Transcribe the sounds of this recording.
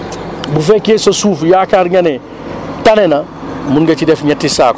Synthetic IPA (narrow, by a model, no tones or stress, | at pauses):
bufɛkeːsosuːfjaːkaːɾɲɐnɛ | tɐnɛnɐ | munɡɐt͡ʃidɛfɲɛtːisaːk